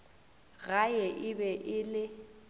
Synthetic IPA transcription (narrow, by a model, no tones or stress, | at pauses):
ɣajɛʔɪbɛʔɪlɪ